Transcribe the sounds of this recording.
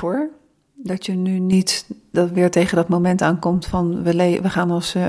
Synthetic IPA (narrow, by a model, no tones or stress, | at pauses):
ʊːɹ | dɑtjənynitdɑtʋɪːɹtejχəndɑtmomɛntaːnkɔmtfɑnʋəleʋəχaːnɔns